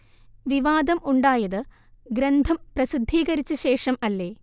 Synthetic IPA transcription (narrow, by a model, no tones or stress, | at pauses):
ʋiʋaːd̪ɐmʔuɳɖaːjɐðɨ | ɡɾɐnd̪ʱɐmprɐsid̪ʱːiːɣɐɾit͡ɕːɨɕe̞ːʂɐmɐlːe̞ː